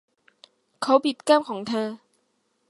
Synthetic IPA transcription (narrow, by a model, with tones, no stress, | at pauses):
kʰa˧˨˥wpi˨˩t̪̚ka˥˨m̚kʰɔː˩˦ŋt̪ʰəː˧